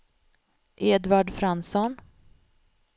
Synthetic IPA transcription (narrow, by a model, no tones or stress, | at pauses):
ʔeːd̪vaɖfɾansɔn